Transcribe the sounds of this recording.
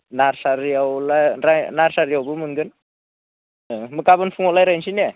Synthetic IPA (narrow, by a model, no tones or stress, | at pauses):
naɾsaɾjawlajɾanaɾsaɾjawbɯmɯŋɡɯn | əməkːabənfʰuŋɔlajɾajnsine